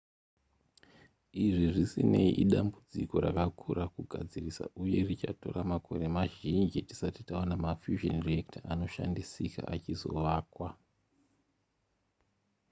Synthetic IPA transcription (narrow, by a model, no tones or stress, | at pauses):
iʐiʐisine̞iʔiɗambud͡ziko̞ɾakakʰurakuɡʱad͡zirisa̰ʔuje̞rit͡ʃato̞̰ramakʰo̞ɾe̞maʒind͡ʒiti̥satitaonamafjuʒo̰nriektaʔano̞ʃa̰ndisika̰ʔat͡ʃizo̞̰ʋaːkwa